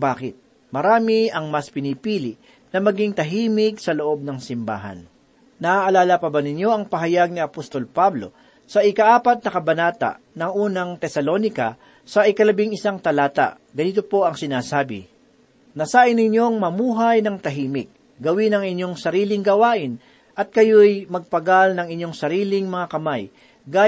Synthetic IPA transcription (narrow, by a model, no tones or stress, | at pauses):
baːkɪt̪̚ | mɐɾaːmɪʔɐŋmɐspɪnipiːlɪʔ | nɐmɐɡɪŋt̪ɐɦiːmɪksɐloʔo̞b̚nɐŋsɪmba̰ːɦɐ̰n | nɐʔaʔɐlaːlɐpɐbɐnɪɲjo̞ʔɐŋpɐɦɐjaɡ̚niɐpost̪o̞lpablo̞̰ | sɐʔɪkɐʔaːpɐt̪̚nɐkɐbɐnaːt̪a̰ʔ | nɐŋʔuːnɐŋt̪ɛsɐlonɪkɐ̰ | sɐʔɪkɐlɐbɪŋɪsaŋt̪ɐlaːt̪a̰ʔ | ɡɐniːt̪opo̞ʔɐŋsɪnaːsaːbɪ̰ | nɐsaːʔɪnɪɲjo̞ŋmɐmuːɦɐjnɐŋt̪ɐɦiːmɪk̚ | ɡɐwɪnɐŋɪɲːo̞ŋsɐɾiːlɪŋɡɐwaːʔɪn | ʔɐt̪̚kɐjojmɐɡ̚pɐɡalnɐŋɪɲjo̞ŋsɐɾiːlɪŋmɐŋakɐmaj | ɡaː